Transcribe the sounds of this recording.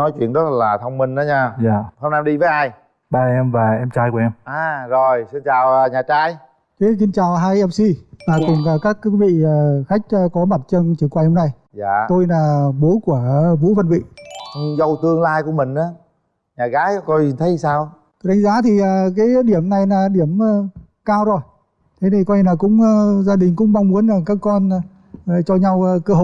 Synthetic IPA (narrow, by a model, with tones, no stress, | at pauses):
nɔ˨˦jt͡ɕwḭ˧˨ənzə˦˥laː˨˩t̪ʰə˧wŋ͡mmï˧ŋ̟ʔaː˨˦ɲaː˧zaː˨˩hə˧ŋ͡mna˧mɗi˧vəː˨˦jʔaː˧j | ɓaː˨˧˩ʔɛ˧mvaː˨˩ʔɛ˧mt͡ɕaː˧jku˧˩ɛ˧mʔaː˨˧˩zo˨˩jsi˧nt͡ɕaː˨˩wːɲaː˨˩t͡ɕaː˧j | t͡ɕə˨˦si˧nt͡ɕaː˨˩wɦaː˧jʔɛ˧msi˧laː˨˩kʊ˨˩ŋ͡maː˨˩kaː˦˥k̚kvḭ˧˨əː˨˩xa˦˥k̟̚ːkɔ˨˦ma˨˩t̚t͡ɕə˧nt͡ɕi˨˧˩kwːjhə˧mna˧j | zaː˧˨t̪o˧jnaː˨˩ɓo˨˦ku˧˩əvṵ˧˥və˧nvḭ˧˨ʔɨ˨˩zə˧wt̪ɨ˧əŋlaː˧jku˧˩əmï˨˩ŋ̟ʔaː˨˦ | ɲaː˨˩ɣaː˨˦jkɔ˧jɲi˨˩nt̪ʰə˨˦˨saː˧w | t̪o˧jɗa˨˦ŋ̟zaː˨˦t̪ʰi˨˩ʔaː˨˩kaː˨˦jɗi˧˩əmna˨˩jnaː˨˩ɗi˧˩əməː˧˩ | kaː˧wzo˨˩j | t̪ʰe˨˦t̪ʰi˨˩kɔ˧ɲ˧naː˨˩kʊ̰˧˥ŋ͡mzaː˧ɗï˨˩ŋ̟kʊ̰˧˥ŋ͡mɓa˧ŋ͡mmu˨˦ənaː˨˩ŋkaː˦˥kːɔ˧nː˧˨ | t͡ɕɔ˧ɲa˧wkəː˧ho˧˨˩